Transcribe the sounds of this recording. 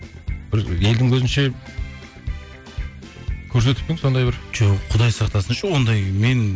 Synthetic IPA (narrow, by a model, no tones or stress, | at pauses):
bɪɾe̞ld̪ɪŋwɵzɪnʃe̞ | kʲʰɵɾs̬e̞t̪ɪp̚pɪŋso̞nd̪ɑjbɪɾd͡ʒoqʰʊd̪ɑjsɑqt̪ɑsənʃəwo̞nd̪ɑjme̞n